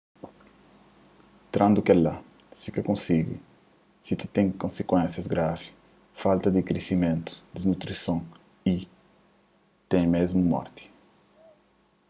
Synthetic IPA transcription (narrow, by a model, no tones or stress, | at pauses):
t̪ɾãnd̪ukɛla | sikakõnsiɡḭ | sit̪i̥t̪ẽŋkõnsekwɛ̃nsjɐzɡɾavi | falt̪ɐd̪ikɾesimẽnt̪u̥d̪iznut̪ɾisõŋ | i | t̪ẽjmezmumɔ̰ɾt̪i̥